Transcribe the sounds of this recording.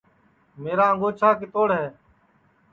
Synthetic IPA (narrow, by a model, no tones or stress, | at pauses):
meːɾaːəŋɡoːt͡ʃʰaːkɪt̪oːɽɦɛː